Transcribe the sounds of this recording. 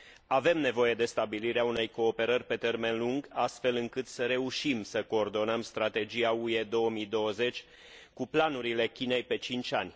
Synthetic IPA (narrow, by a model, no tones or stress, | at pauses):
ave̞mne̞vo̞je̞d̪e̞st̪abiliɾeaune̞jko̞ːpe̞ɾərʲpe̞t̪e̞rme̞nluŋɡast̪fe̞lɨŋkɨt̪səɾe̞uʃimsəko̞ːrd̪o̞nəmst̪ɾat̪e̞d͡ʒijaue̞d̪o̞wəmid̪o̞wəze̞t͡ʃʲ | kuplanuɾile̞kʲine̞jpe̞t͡ʃint͡ʃʲanʲ